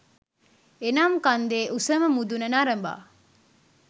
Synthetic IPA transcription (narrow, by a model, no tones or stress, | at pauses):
enaːmkɐnd̪eːʔusɐməmud̪unɐnaɾɐmba̰ː